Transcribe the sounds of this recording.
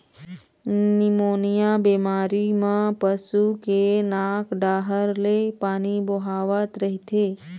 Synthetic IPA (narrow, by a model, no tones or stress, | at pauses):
nimonijabemaɾimãpəsukenakɖaɦəɾlepaniboɦaʋat̪ɾəɦit̪ʰe